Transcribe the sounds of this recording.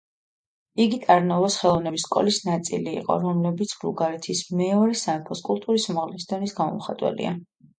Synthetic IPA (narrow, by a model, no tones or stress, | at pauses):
iɡit̪ʼaɾnɔvɔsχɛlˠɔvnɛbisːkʼɔ̰lisnat̪sʼḭlḭːqʼɔ̰ɾɔmlɛbit̪sʰbluɡaɾɛt̪ʰismɛɔɾɛsaɛpʰɔskʼulˠt̪ʼuɾismaʁlisd̪ɔnisɡamɔ̰mχat̪ʼwɛ̰lḭa